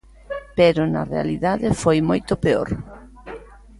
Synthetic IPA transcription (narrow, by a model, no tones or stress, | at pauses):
pɛɾʊnɐ̰rḛa̰liðaðɪfojmojt̪ʊpeo̰ɾ